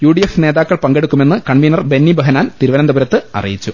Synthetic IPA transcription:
juːɖijefne̞ːðaːkːɐɭpɐŋɡe̞ɽukːume̞nːɨkɐɳminɐrbe̞nːibɐɦɐnaːnt̪iɾuʋɐɾɐnd̪ɐbɐɾɐt̪ːɨɐ̰rḭjit͡ɕːu

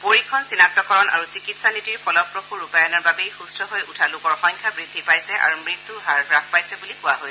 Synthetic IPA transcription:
poɹikʰɔnsinak̚tɔkɔɹɔna̰ɹusikitsanitiɹpʰɔlɔbpːɹɔkʰuɹupajɔnɔɹbabejxustʰɔɦojutʰalʊkɔɹxɔɲkʰabɹid̪ʱːipajsɛʔa̰ɹumɹit̪ːuɦaɹɹakʰpajsɛbulikʊwaɦoj

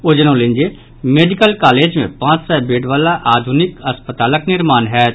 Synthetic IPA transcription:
od͡ʒənõːlend͡ʒe | meːɖɪkəlkaːleːd͡ʒmẽpãːt͡ʃsɛbeːɖʋaːlaʔaːd̪ʱʊnɪkɐspət̪aːləknɪɾmaːnɦɛː

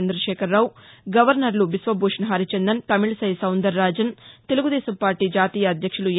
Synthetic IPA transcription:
nd̪ɾɐʂɛːkɐɾːaːwuɡɐʋɐɾnɐɾluʋisʋɐbʱuːʂɐnɦaːɾit͡ʃɐnd̪ɐnt̪ɐmiɭsɐjsɐwnd̪ɐɾːaːd͡ʒɐnt̪e̞luɡud̪ɛːsɐmpaːɾʈiːd͡ʒaːt̪iːjɐːd̪jɐkʂulu

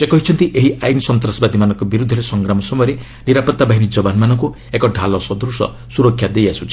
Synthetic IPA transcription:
sekɔɦit͡ʃʰɔnt̪iʔeɦiʔajnsɔnt̪ɾɔsbad̪imanɔŋkɔbiɾud̪ʱːɔɾesɔŋɡɾamɔsɔmɔjɔɾe | niɾapɔɾt̪abaɦinid͡ʒɔbanmanɔŋku | ekɔɖʱalɔsɔd̪ɾusɔ̰ | suɾɔkʰːjad̪ejasut͡ʃʰi̥

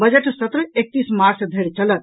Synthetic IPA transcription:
bəd͡ʒeʈsɐt̪ɾəek̚t̪ismaɾsd̪ʱeɾt͡ʃɐlət̪

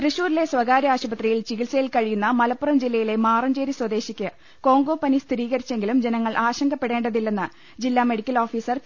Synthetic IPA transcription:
k̪rɨɕuːɾile̞swɐɡaːɾjɐaːɕubɐt̪rijilt͡ɕiɣilsɐjilkɐɻijunːɐmɐlɐpːurɐmd͡ʑilːɐjile̞maːrɐmd͡ʑeːɾiswɐd̪e̞ːɕikʲːɨ | ko̞ːŋɡo̞ːpːɐnist̪ʰiɾiːɣɐɾit͡ɕːe̞ŋɡilumd͡ʑe̞nɐŋːɐɭʔaːɕɐŋɡɐpːe̞ɽe̞ːɳɖɐðilːenːɨ | d͡ʑilːaːme̞ɽikʲːɐlo̞ːfiːsɐr

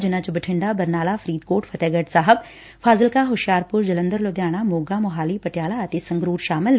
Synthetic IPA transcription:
d͡ʒɪnãːt͡ʃbəʈʰɪ̃ɳɖaːbəɾnaːlaːpʰəɾiːd̪koːʈpʰət̪ɛːɡəʈsaːɦəb | pʰaːzəlkaːɦʊʃjaːɾpʊɾd͡ʒələ̃nd̪əɾloːd̪jaːɽ̃aːmoːɡaːmʊɦaːliːpəʈjaːlaːət̪eːsə̃ŋɡɾuːɾʃaːmɪl

